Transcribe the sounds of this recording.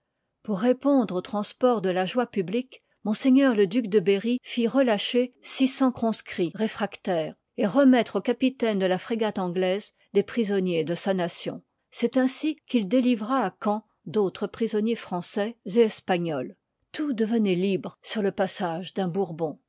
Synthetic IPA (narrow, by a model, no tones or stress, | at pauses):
puʁːepɔ̃d̪ʁot̪χɑ̃spɔʁd̪əlaʒwapyblik | mɔ̃seɲœʁləd̪yk̚d̪əbeʁifiʁəlaʃesisɑ̃kχɔ̃skχiʁefχakt̪ɛːʁ | eʁəmɛt̪χokapit̪ɛnd̪əlafχeɡat̪ɑ̃ɡlɛz | d̪epχizɔnjed̪əsanasjɔ̰̃ | sɛt̪ɛ̃sikild̪elivʁaːkɑ̃ | d̪ot̪χəpχizɔnjefχɑ̃sɛzeɛspaɲɔl | t̪ud̪əvənɛlibʁsyʁləpasaʒd̪ɛ̃buʁbɔ̃